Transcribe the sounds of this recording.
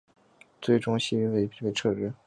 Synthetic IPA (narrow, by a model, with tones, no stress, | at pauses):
t͡swe˥ɪʈ͡ʂʊ˥ŋɕi˥y˧˥we˥˩ɪ˧pi˥˩pe˥˧ɪʈ͡ʂʰɤ˥˩ʈ͡ʂɻ̩˥